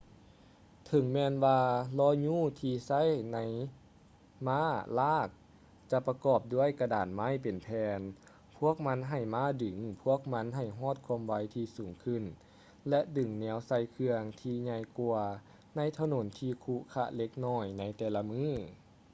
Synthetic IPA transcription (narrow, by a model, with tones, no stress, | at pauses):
t̪ʰɤ˨˦ŋmɛː˧nwaː˧lɔː˧˥˨ɲuː˧˥˩t̪ʰiː˧sa˧˥˨jna˧˥j | maː˧˥˨laː˧˥˩k̚ | t͡ɕa˧˦pa˧kɔː˧˩p̚du˧˥˩ə˨jka˧da̰ː˨˩nma˧˥˨jpe˨˩npʰɛː˧n | pʰu˧˥˩ək̚ma˧˥nɦa˧˩jmaː˧˥˨dɯ˨˩˦ŋpʰu˧˥˩ək̚ma˧˥nɦa˧˨˩jɦɔː˥˨t̪̚kʰu˧əmʋa˧˦jt̪ʰiː˧suː˨˩˦ŋkʰɯ˧˨n | lɛ˧ʔdɯ˨˩ŋnɛː˧˦wsa˧jkʰɯ˧əŋt̪ʰiː˧ɲa˧˨jkuː˧ɐ | na˧˥˨jt̪ʰa˧no˨˩˦nt̪ʰiː˧kʰuː˧˥kʰa˧˥ʔle˧˦k̚nɔː˧˩jna˧˥jt̪ɛː˨˩la˧mɯː˧˥˨